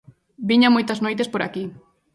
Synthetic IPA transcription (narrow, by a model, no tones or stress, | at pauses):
biɲamojt̪aznojt̪espoɾaki